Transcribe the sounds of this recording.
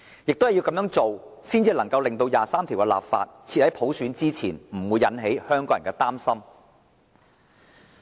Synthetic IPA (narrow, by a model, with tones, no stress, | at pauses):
jɪ˨k̚t̪o˥hɐ˨˩ji˧wkɐ˨˥mjœː˨˥ŋt͡so˨wsiː˥nt͡siː˧lɐ˨˩ŋkɐ˧wlɪ˨ŋt̪o˧wjaː˨saː˥mt̪ʰi˨˩wkɛ˧la̰ː˨p̚fa̰ː˧t̚t͡sʰiː˧t̚hɐ˨˥jpʰo˨˥wsyː˨˥nt͡siː˥t͡sʰiː˨˩nm̩˨˩wuː˨˧jːɐ˨˥nɦe˨˥jhœː˥ŋkɔː˨˥jɐ˨˩kɛː˧t̪aː˥msɐ˥m